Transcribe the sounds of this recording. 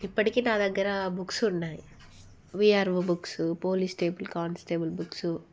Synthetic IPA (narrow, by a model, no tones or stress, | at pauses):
ipːɐʈikeːnaːd̪ɐɡːɐɾɐbuksuɳːaːji | ʋiːaːɾʋɐbuksupoːlisʈeːbɐlkaːɳsʈeːbɐlbuksu